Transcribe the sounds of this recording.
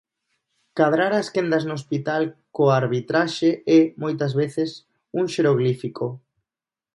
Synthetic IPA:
kað̞ɾaɾaskend̪ɐznoːspit̪alkoaɾβit̪ɾaʃeɛmojt̪ɐzβeθes | uŋʃeɾoɣlifiko

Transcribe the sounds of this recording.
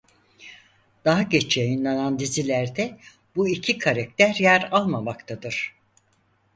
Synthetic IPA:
d̪̥aɦaɟet͡ʃʰjajinlˠanand̪izilʲæɾd̪ɛ | buicʰikʰaɾɛk̚t̪ʰæɾjæɾalˠmamakt̪ʰad̪ɯɾ̥

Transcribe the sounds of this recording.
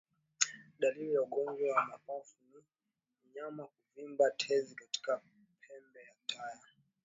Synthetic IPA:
ɗalilijauɡɔɲd͡ʒwawamapafuni | m̩ɲamakuvimbatʰɛzikati̥ka | pʰɛmbɛjatʰaja

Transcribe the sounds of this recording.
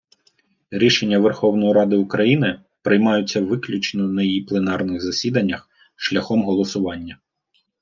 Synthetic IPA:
ɾʲiʃenʲːɐʋerxɔwnɔjiɾɑd̪ɪʊkɾɐjinɪ | pɾɪjmɑjʊt͡sʲːɐʋɪklʲʊt͡ʃnɔnɐjjiplˠenɑrnɪɣzɐsʲid̪ɐnʲːɐx | ʃlʲɐxɔmɦɔlˠɔsʊʋɑnʲːɐ

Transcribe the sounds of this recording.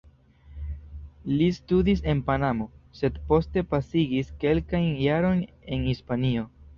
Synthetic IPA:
listudis̬e̞npanamo̞se̞d̪po̞ste̞pasiɡiske̞lkajnjaɾo̞jn | e̞nhispanio̞

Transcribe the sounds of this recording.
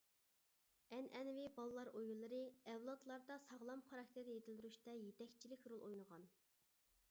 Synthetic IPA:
ɛnʔɛnvɪbɑlˠlˠɑɾojulˠːɨɾɨɛwlˠɑt̪lˠɑɾd̪ɑsɑʁlˠɑmχɑɾɑk̚t̪ʰɪɾjet̪ʰɪld̪yɾyʃt̪ɛjet̪ɛkʲt͡ʃʰilɪkʲɾolˠʔojnəʁɑn

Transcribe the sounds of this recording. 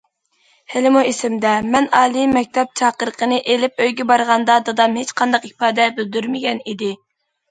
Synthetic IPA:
hɪlɪmuesɪmd̪ɛmɛnɑːlˠimɛk̚ʲt̪ʰɛp̚t͡ʃʰɑːqəɾqʰənɨʔelɪp̚øjɡʲɛbɑɾʁɑnd̪ɑd̪ɑd̪ɑmhet͡ʃqʰɑnd̪ɑqhipɑːd̪ɛbyld̪yɾmɪɡʲɛnid̪ɪ

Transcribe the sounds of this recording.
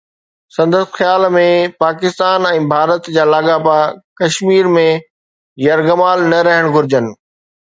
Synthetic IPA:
sɐ̃nd̪əst̪xjaːlmẽpaːkɪst̪aːnɛ̃ːbʱaːɾət̪d͡ʑaːlaːɠapakɐʃmiːɾmẽ | jɐɾɡɐmaːlnɐɾɐɦəɽ̃ɡʱʊɾɪd͡ʑənɪ̆

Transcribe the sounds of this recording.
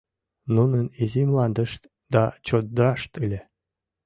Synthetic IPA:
nunənizʲimlˠɑnd̪əʃt̪ | d̪ɑt͡ɕot̪̚d̪ɾɑʂt̪ɯlʲe

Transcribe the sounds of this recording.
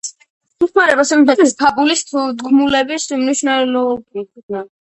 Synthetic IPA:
iχmaɾɛbasɛmpɛt̪ʰisp̪ʰapʼulist̪ʰd̪ɡmulɛbismniʃunalɔkʰud̪na

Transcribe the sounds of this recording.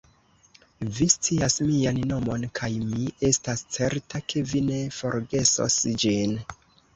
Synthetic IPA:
vist͡siasmianno̞mo̞nkʰajmie̞stast͡se̞ɾtakʰe̞vine̞fo̞ɾɡe̞so̞̰sd͡ʒin

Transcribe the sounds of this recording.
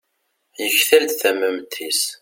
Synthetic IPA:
jəçθæld̪θæmːəmt̪ʰːis

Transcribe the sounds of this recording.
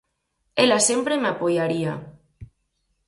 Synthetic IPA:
elase̞mpɾemapojaɾia

